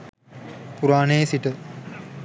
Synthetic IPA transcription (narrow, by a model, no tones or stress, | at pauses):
puɾaːnejsiʈə